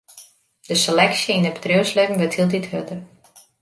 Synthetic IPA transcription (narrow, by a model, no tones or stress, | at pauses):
d̥əselɛksjəindəbədrøəsløkŋ̩ʋətʰhilˠdithødər